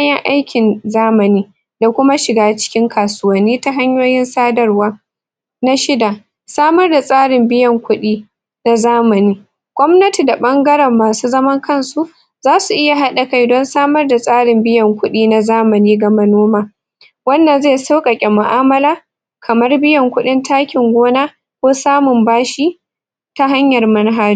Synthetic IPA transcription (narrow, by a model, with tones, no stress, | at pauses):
jɛ˦ŋʔa˦jkʲɪ˨nzaː˦mɐ˨niː˦ | da˨kʷʊ˦ma˦ʃɪ˨ɡaː˦t͡ʃɪ̥˦kʲɪ˦ŋkʰaː˨sʊ˦wɐ˨nːiː˦ta˦ɦa˦ɲjoː˦jɪ˦nsaː˦dɐ˦˨rwaː˦ | na˦ʃɪ˦da˨ | saː˦mɐ˦rda˨sʼaː˦ɽɪ˨mbɪ˦jɐ˨ŋkʷʊ˦ɗiː˦ | na˨zaː˦mɐ˨niː˦ | ɡ̥ʷɔ˦mnɐ˦ti˨da˨ɓɐ˦ŋɡɐ˦ɾɛ˨mːaː˨suː˦zɐ˦mɐ˦ŋkɐ˦nsu˨ | zaː˦su˨ʔɪ˦ja˨ɦa˦ɗa˨ka˦jdɔ˦nsaː˦mɐ˦rda˨sʼaː˦ɽɪ˨mbɪ˦jɐ˨ŋkʷʊ˦ɗiː˦na˨zaː˦mɐ˨niː˦ɡɐ˨mɐ˦noː˦maː˦ | wɐ˦nːɐ˨nzeː˦˨sa˦kʼɐ˨kʲʼɛ˨mʊ˨ʔaː˦mɐ˦laː˦ | kʰɐ˨mɐ˦rbɪ˦jɐ˨ŋkʷʊ˦ɗɪ˦ntaː˦kʲɪ˨ŋɡʷoː˦naː˦ | kʷoː˦saː˦mʊ˨mbaː˦ʃiː˦ | ta˦ɦa˦ɲjɐ˨rmɐ˦nɦaː˦d͡ʒi˦